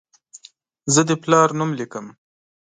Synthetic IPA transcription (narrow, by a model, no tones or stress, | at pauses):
zəd̪əplɑɾnumlikəm